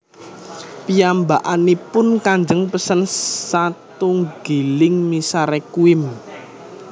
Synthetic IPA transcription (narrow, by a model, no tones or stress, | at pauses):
piambaʔanipʊnkaɲd͡ʒəŋpəsənsat̪uŋɡ̥ilɪŋmisaɾekuɪm